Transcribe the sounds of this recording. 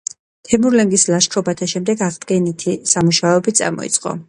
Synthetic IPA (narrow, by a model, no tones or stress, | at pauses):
t̪ʰɛmuɾlɛŋɡislaʃkʰɾɔbat̪ʰaʃɛmd̪ɛɡaʁd̪ɡɛnit̪ʰisamuʃaɛbit̪sʼa̰ɾmɔ̰ḭt̪sʼqʼɔ̰